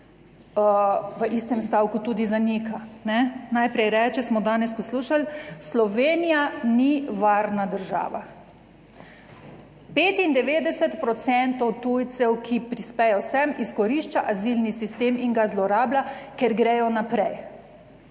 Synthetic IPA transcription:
ʋəʔist̪ɛmst̪aːwkut̪uːd̪izanikanɛnajpɾɛjɾɛt͡ʃɛsmɔd̪aːnɛspɔsluːʃalslɔʋeːnijaniʋaɾnad̪əɾʒa̰ːʋa̰ | peːt̪ind̪ɛʋeːd̪ɛsɛt̪pɾɔt̪sɛnt̪ɔwt̪ujt̪sɛwkʰipɾispɛjɛsɛmiskɔɾiʃt͡ʃaʔazilnisist̪eːmiŋɡazlɔɾaːblakɛɾɡɾɛjɔnapɾɛj

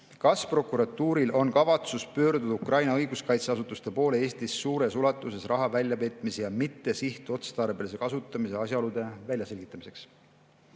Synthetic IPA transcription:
kɑspro̞kuɾɑt̪ːuːɾilʔo̞nkɑvɑt̪suspø̞ːɾd̪ud̪ɑukrɑjnɑɤjɡuskɑjt̪seɑsut̪ːˑust̪e̞po̞ːleeːst̪isːuːɾe̞sulɑt̪ːˑuse̞srɑɦɑvælʲjɑpe̞ːt̪ːˑmisejɑmit̪ːe̞siht̪uo̞t̪se̥t̪ɑrbe̞lis̬e̞kɑsut̪ːˑɑmise̞ɑsʲjɑo̞lud̪̥e̞vælʲjɑse̞lʲɡit̪ːˑɑmise̞ks

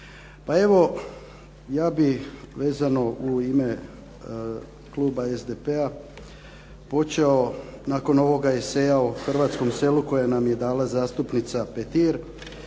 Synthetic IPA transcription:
pae̞ʋo̞ | jaːbiʋe̞ːzano̞uime̞ | klˠuːbaezd̪epe̞a | po̞t͡ʃeo̞naːko̞no̞ʋo̞ɡaese̞ːjauxr̩ʋaːt̪sko̞mse̞luko̞janamje̞d̪aːlazaːst̪upnit̪sapet̪iɾ

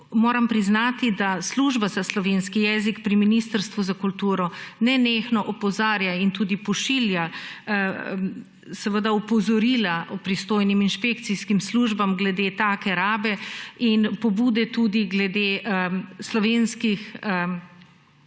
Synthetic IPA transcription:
moːɾampɾiznaːt̪id̪asluʒbazaslɔʋenskijɛːzikpɾiminist̪əɾst̪ʋuzakult̪uːɾɔnɛneːxnɔʔɔpɔzaːɾjaint̪uːd̪ipɔʃilja | sɛʋəd̪aɔpɔzɔɾiːlaʔɔpɾist̪oːjniminʃpek̚t̪siskimsluʒbamɡlɛd̪et̪aːkɛɾaːbɛinpɔbuːd̪ɛt̪uːd̪iɡlɛd̪eəslɔʋeːnskixə

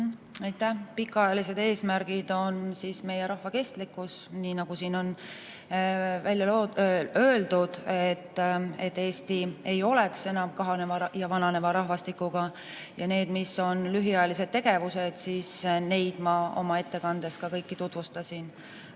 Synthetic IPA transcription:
ɑjt̪ːˑæhpikːˑɑɑjɑlise̞d̪̥e̞ːsmæɾɡ̥id̪̥o̞nsiːsme̞jeɾɑhvɑke̞st̪likːˑus | niːnɑɡ̥usiːno̞n | vælʲjɑloø̞eld̪̥ud̪̥et̪ːe̞t̪ːe̞ːst̪ie̞jo̞le̞kse̞nɑmkɑɦɑnevɑjɑvɑnɑne̞vɑɾɑɦvɑst̪ikːuɡ̥ɑ | jɑne̞ːd̪̥miso̞nlyɦiɑjɑlis̬e̞d̪̥̚t̪ːe̞ɡ̥e̞vuse̞d̪̥sisne̞jd̪̥mɑo̞̰mɑe̞t̪ːe̞kɑnd̪̥e̞skɑkɤjkːit̪ut̪vust̪ɑsin

